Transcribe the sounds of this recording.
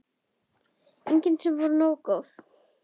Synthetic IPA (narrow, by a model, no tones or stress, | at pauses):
ejɲcɪnt̪sɛmvɔɾʏnoːwkɔθ